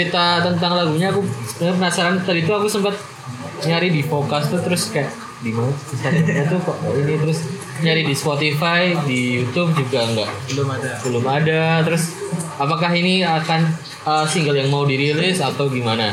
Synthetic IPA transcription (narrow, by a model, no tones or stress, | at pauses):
ɾit̪at̪ənt̪aŋlaɡuɲaːkusəbənərpənasaɾant̪adit̪uakusəmpat̪̚ | ɲaɾidipokast̪ut̪əɾʊskajaʔ | dimanaəst̪at̪aɲat̪ukaʔainit̪əɾʊs | ɲaɾidispot̪ifajdijut̪ʊp̚d͡ʒuɡaŋɡaʔbəbəlʊmadat̪əɾʊsapakaɦiniakan | əːsiŋɡaljaŋmaudiɾilɪsat̪awɡimana